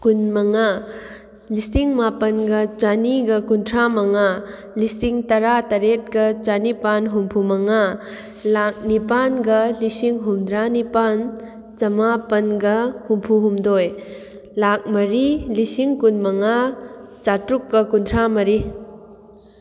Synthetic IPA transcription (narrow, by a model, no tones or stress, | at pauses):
kunmɐŋa | lisiŋmapɐnɡɐt͡ʃaniɡɐkuntʰɾamɐŋa | lisiŋtɐɾatɐɾet̚kɐt͡ʃanipanɦumpʰumɐŋa | lak̚nipanɡɐlisiŋɦumd̪ɾanipan | t͡ʃɐmapɐnɡɐhumpʰuɦumdoj | lak̚mɐɾilisiŋkunmɐŋat͡ʃatɾukːɐkuntʰɾamɐɾi